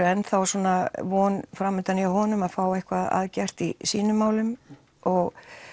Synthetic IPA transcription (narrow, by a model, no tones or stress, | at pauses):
ɛnθawsɔːnavɔːnfɾamʏnt̪aniahɔnʏmaðfaːwejhkʰvaða̰ðcɛr̥t̪isiːnʏmːaːwlʏm | ɔɣ